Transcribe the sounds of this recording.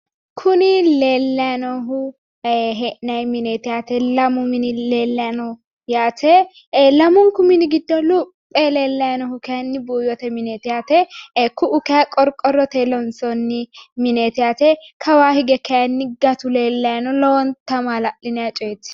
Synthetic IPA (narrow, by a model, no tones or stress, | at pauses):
kʰʊnɪleːlːɐjɐnɔɦʊ | ɦɛʔnɐjmɪneːt̪ɪjaːt̪ɛlɐmʊmɪnɪle̞ːlːɐjanɔ | jaːt̪ɛ | lɐmʊŋkʊmɪnɪɡɪd̪ːɔlʊpʼːɛleːlːɐjanɔhʊkɛjɐnːɪbuːjɔt̪ɛmɪneːt̪ɪjaːt̪ɛkːʊʔʊkɛɐkʼɔɾkʼɔrːɔt̪eːlɔnsɔnːɪmɪneːt̪ɪjaːt̪ɛkʰɐwaːhɪɡɛkɐjɐnːɪɡɐt̪ʊle̞ːlːɐjanɔlɔːnt̪ːɐmalɐʔɪnɛjat͡ʃʼɔjɛt̪ːɪ̥